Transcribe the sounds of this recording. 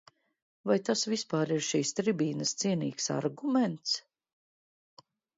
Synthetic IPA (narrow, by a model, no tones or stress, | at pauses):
vajt̪asvispaːɾiɾʃiːst̪ɾibiːnɐst̪siɛnḭːksa̰ɾɡumɛnt̪s